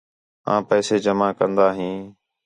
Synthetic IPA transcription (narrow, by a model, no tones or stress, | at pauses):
ã̰ːpɛːseːd͡ʒəmaːkənd̪aːɦĩː